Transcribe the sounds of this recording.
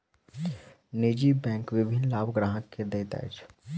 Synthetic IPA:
niːd͡ʒibɛ̃ːŋkʋɪbʱɪnlaːbɡɾaːɦəkːed̪eːt̪a̰t͡ʃ

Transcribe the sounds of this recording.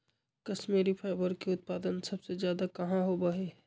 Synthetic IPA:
kɐsmeːɾipʰaɪbəɾkeʊt̪̚paːd̪ənsɐbsezjaːd̪akɐɦãɦobɐɦe

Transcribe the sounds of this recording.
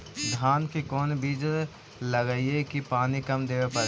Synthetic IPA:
d̪ʱaːnkikɔːnbiːd͡ʒ | lɐɡəiekipaːnikɐmd̪eːʋepɐɾ

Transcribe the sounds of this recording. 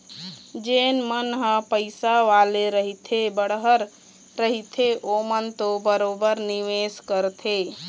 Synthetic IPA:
d͡ʒenmənɦə̃pəɪsaʋaleɾəɦit̪ʰebəɽɦəɾː | əɦit̪ʰeʔomənt̪obəɾobəɾniʋeskəɾt̪ʰe

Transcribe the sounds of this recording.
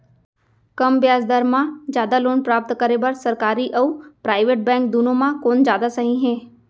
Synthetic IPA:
kɐmbjaːzd̪aːɾmãd͡ʒjaːd̪aloːnpɾaːp̚t̪kəɾebɐɾsɐɾkaːɾiʔɔːpɾaːɪʋeːʈ̚bɛ̃ːŋk̚d̪uːnõmãkoːnd͡ʒjaːd̪asɐɦĩɦɛ̃ː

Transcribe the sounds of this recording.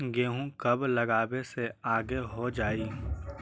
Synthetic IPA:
ɡeːɦũkɐblɐɡaːbeseaːɡeɦod͡ʒaːiː

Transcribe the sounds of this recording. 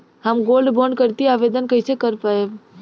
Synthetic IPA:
həmɡolɖboɳɖkəɾt̪iaʋed̪ənkəjsekəɾpaeb

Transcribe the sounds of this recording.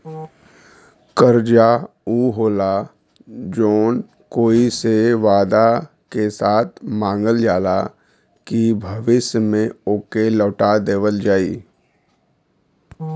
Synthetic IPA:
kəɾd͡ʒa | uːɦoːla | d͡ʒoːn | koːiseʋaːd̪a | kesaːt̪ʰmãːŋɡəld͡ʒaːla | kibʱɐʋɪʃmẽoːkelɔːʈad̪eːʋəld͡ʒaːḭː

